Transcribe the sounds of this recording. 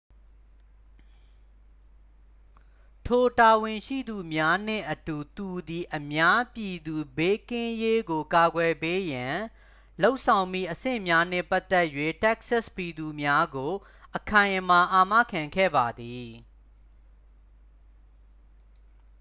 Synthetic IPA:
tʰo˨ta˨wɪ̃˨ʃḭ˦˨d̪u˨mja˦n̥ɪ̰̃˦˨ʔətu˨t̪u˨d̪i˨ʔəmja˦pji˨d̪u˨be˦kɪ̃˦je˦ɡo˨ka˨ɡwɛ˨pe˦jã˨ | lo˦ʊʔsʰã˨ʊ̃mḭ˦˨ʔəsɪ̰̃˦˨mja˦n̥ɪ̰̃˦˨pa˦t̪ɛ˦ʔjwḛ˦˨tɛ˦k̚sa˦˨spi˨d̪u˨mja˦ɡo˨ | ʔəkʰã˨ɪ̃ʔma˨ʔa˨mä̰˦˨kʰã˨ŋkʰɛ̰˦˨ba˨d̪i˨

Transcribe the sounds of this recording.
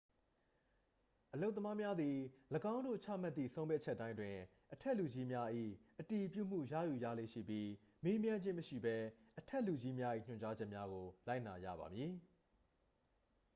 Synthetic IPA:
ʔəlo˦ʊt̪̬ːə˦ma˦mja˦d̪i˨ləɡã˦ʊ̃ndo̰˦˨t͡ɕʰä̰˦˨m̥a˦t̪θḭ˦˨sʰõ˦ʊ̃mpjɛ˦˨t͡ɕʰɛ˦ʔtːã˦ɪ̃ntwɪ̃˨ | ʔətʰɛ˦˨lu˨d͡ʑi˦mja˦ʔḭ˦˨ʔəti˨pjṵ˦˨m̥ṵ˦˨jä̰˦˨ju˨jä̰˦˨lḛ˦˨ʃḭ˦˨pji˦ | me˦mjã˦ɲd͡ʑɪ̃˦məʃḭ˦˨bɛ˦ʔətʰɛ˦ʔlu˨d͡ʑi˦mja˦ʔḭ˦˨ɲ̥ʊ̃˨ɲt͡ɕa˦d͡ʑɛ˦ʔmja˦ɣo˨la˦ɪ̃na˨jä̰˦˨βa̰˨mji˨

